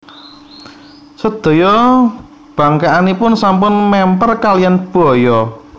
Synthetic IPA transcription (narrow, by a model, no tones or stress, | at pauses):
səd̪̥ɔ̤jɔ | b̥a̤ŋkaʔanipʊnsampʊnmɛmpərkalianb̥ɔ̤jɔ